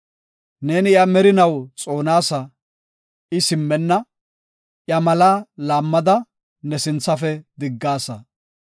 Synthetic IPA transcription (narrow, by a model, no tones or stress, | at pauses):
ne̞ːnɪjɐmɛɾɪnɐwt͡sʼo̞ːnaːsɐ | ɪsɪmːɛnːɐ | ʔjɐmɐlaːlaːmːɐd̪ɐ | nɛsɪnt͡sːɐfɛd̪ɪɡːaːsɐ